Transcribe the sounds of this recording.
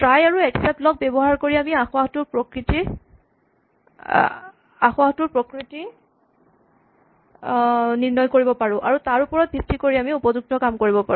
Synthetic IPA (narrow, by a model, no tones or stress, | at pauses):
tɹajaɹuɛksɛp̚tlɔk̚bɛbɔɦaɹkoɹiamiaxʊaxtʊɹpɹɔkɹiti | axʊaxtʊɹpɹɔkɹiti | niɹnɔjkoɹibɔpaɹʊ̃ʔaɹutaɹupɔɹɔt̚bʱik̚tːikoɹiamiupɔzuk̚tɔkamkoɹibɔpa̰ɹʊ̃